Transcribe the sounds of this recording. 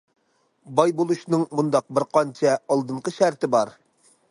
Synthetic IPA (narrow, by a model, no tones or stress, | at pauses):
bɑjbolˠuʃnɨŋmund̪ɑq̚bɪɾqʰɑnt͡ʃʰɛɑlˠd̪ɨɴqʰəʃæɾt̪ɪbɑɾ